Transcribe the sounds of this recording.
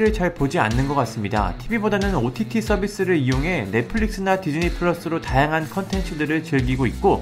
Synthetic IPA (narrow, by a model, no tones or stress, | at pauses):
ɾɯɭt͡ɕʌɭpod͡ʑia̰nːɯnɡʌk͈as͈ɯmɲida̰tʰibibodanɯnotʰitʰis͈ʰʌbis͈ɯɾɯɭijoŋɦe̞ne̞pʰɯɭːik̚s͈ɯnatid͡ʑɯnipʰɯɭʌs͈ɯɾotajaŋɦankʰʌntʰe̞nt͡ɕʰɯdɯɾɯɭt͡ɕɯɭɡiɡoit̚k͈o